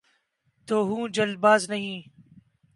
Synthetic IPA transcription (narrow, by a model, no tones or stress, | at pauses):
t̪oːɦũːd͡ʒɐlbaːznɐɦĩː